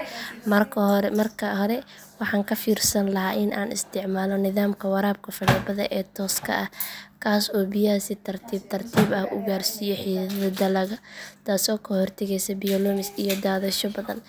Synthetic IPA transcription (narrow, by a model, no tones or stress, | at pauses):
mɐrkʰmɐrkʰɐhɾɛ | wɑħɑːŋkʰɐfiːrsɐnlɐɦaːʔɪnʔa̰ːnʔɪ̰st̪ʰɪʕmaːlɔnɪðaːmkʰɐwɐɾaːb̚kʰɐfɐɽɛbɐðɐ̰ʔɛːt̪ʰɔːskʰɐ̰ʔɐhkʰaːsɔːbɪjasɪt̪ʰɐrt̪ʰiːb̚t̪ʰɐrt̪ʰiːbɐhʊ̰ɡaːrsijɔħiːðɐðɐd̪ɐlɐɣɐt̪aːsɔːkʰɐhɔrt̪ʰɛɣɛjsɐbɪjɔlɔmɪsijɔd̪aːðɐʃɔbɐðɐn